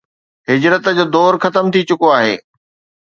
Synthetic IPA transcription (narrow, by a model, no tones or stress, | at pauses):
ɦɪd͡ʑɾət̪d͡ʑoːd̪ɔːɾxɐt̪əmt̪ʰit͡ɕʊkoaːɦḛː